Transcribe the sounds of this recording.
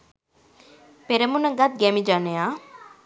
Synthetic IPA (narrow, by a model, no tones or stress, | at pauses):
peɾemunaɡat̪̚ɡɛmid͡ʒanea